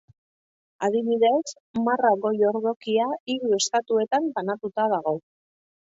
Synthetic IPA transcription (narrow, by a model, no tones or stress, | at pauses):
aðiβiðe̞s | maraɣo̞jo̞ɾðo̞kiaiɣue̞st̪at̪ue̞t̪ambanat̪ut̪að̞aɣ̞o̞